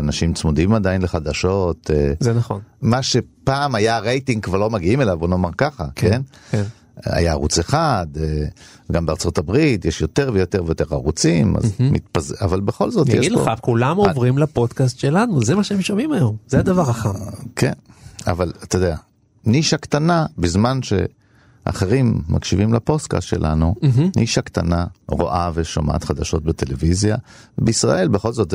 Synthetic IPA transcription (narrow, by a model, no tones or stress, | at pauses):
anaʃimt͡smud̪imad̪ajinleχad̪aʃo̞t̪zenaχonmaʃe̞paːmajaʁejtĩŋɡ̚kvaʁlo̞maɡiime̞lavbonoːmaʁkaχa̰kenken | a̰jaːʁut͡seχad̪e | ɡambeaʁt͡so̞t̪abʁit̪jeʃjo̞teʁvejo̞t̪e̞ʁvejot̪e̞ʁa̰ʁut͡sima̰zmḭt̪paza̰valbeχo̞̰lzot̪jɛɡidleakulamovʁimlapod̪kast̪ʃelanuzemaʃeemʃomimajomzead̪avaʁaχakʰena̰valat̪ed̪ea | niʃakt̪anabizmanʃe̞̰ | ʔa̰χeʁimːa̰kʃivimlapo̞ska̰st̪ʃe̞̰lʔa̰nunʔiʃakt̪a̰naʁo̰ʔaveʃo̰ma̰t̪χad̪aʃo̞̰t̚bet̪e̞levizjabeisʁa̰ʔe̞lbeχo̞lzot